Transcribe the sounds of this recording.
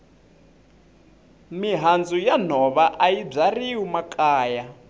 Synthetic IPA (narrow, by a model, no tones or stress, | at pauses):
miɦand͡zujan̤ɔβaʔajib͡ʐariumakʼaːja